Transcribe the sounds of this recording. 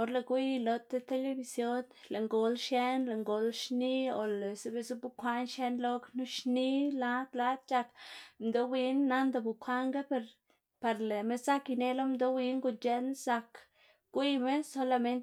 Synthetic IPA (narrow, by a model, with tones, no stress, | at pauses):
o˧ɾle˧ɡʷi˦jlo˧t̪e˦t̪e˦le˧bi˧sjo˦n | le˨ŋɡo˨lʃje˦nle˨ŋɡo˨lʃni˦o˧˨le˨se˦be˧zu˦bu˧kʷa˦nʃe˦nlo˦knu˦ʃni˦la˦t̪la˦d̪̚t͡ʃa˧kmd̪o˧wi˧˦nːa˦nd̪a˧bu˨kʰʷa˦ŋɡa˦pe˧ɾ | pa˧ɾle˨me˦za˦ki˧ne˧lo˦md̪o˧wi˧ŋɡu˧nt͡ʃe˧˦nsa˧k | ɡ̥ʷi˦me˦so˧la˧me˦nt̪